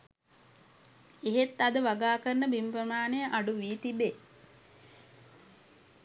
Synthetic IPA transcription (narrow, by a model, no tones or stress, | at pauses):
eɦet̪ːad̪əʋaɡaːkəɾnəbimpɾəmaːnejəʔaɖuʋiːt̪ibe